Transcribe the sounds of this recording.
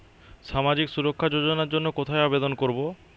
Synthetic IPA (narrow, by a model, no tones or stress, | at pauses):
ʃamad͡ʑiksuɾokʰːad͡ʑod͡ʑonaɾd͡ʑonːokot̪ʰaeabed̪onkoɾbo